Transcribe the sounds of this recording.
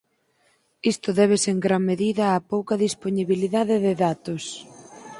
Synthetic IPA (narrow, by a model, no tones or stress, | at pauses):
ist̪ʊðɛβ̞eseŋɡɾaŋmeðiðɐːpowkɐðisponiβiliðaðɪðɪðat̪os